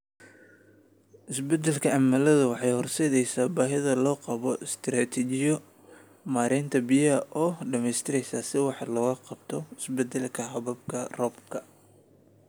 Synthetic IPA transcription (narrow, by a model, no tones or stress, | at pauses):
ʔɪsbɛd̪ɛlkʰɐɐmɐlɐðʊwɑħɑjhɔrsɛðɛjsaːbaːɦɪðɐlɔːqɑβɔɪst̪ʰraːt̪ʰɛt͡ʃɪjɔ | maːɾɛːnt̪ʰɐbɪjɐɐʔɔːɖɐmɛjst̪ʰɪɾɛjsaːsɪwɑħlɔːɣɐqɑb̚t̪ʰɔɪsbɛd̪ɛlkʰɐɦɐβɐb̚kʰɐrɔːbkʰɐ